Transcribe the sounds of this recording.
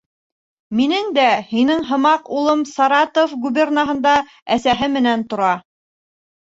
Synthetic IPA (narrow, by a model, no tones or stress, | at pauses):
minɘŋd̪æhinɘŋɦɤ̆mɑqulˠɤmsɑɾɑt̪ofɡubʲernɑɦɤ̆nd̪ɑ | æsæɦɘmɘ̆nænt̪ŏɾɑ